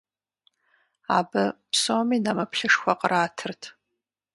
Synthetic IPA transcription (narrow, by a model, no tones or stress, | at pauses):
abɨpʰsoːminamɐpʰɬɨʂxʷɐqʼəraːtʰɨrtʰ